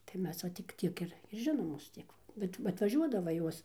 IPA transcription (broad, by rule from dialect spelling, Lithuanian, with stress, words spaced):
tɐɪ ˈmʲɛs ʋɐ tʲɪk ˈtʲiɛk ɪr ɪr ˈʒʲɪnoːmoːs ˈtʲiɛk ʋɐ bʲɛt ɐtʋɐˈʒʲuɔdɐʋɐ ˈjuɔs